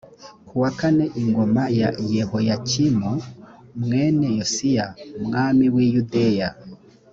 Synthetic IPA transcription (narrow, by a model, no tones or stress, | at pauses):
kʰuwakaneʔiŋɡo̞majaijehojacimumŋeːnejosijaumŋaːmiwijudeja